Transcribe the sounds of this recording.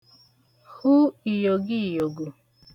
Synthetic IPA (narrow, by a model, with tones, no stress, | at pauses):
hu˦i˨jo˨ɡi˦˨jo˨ɡu˨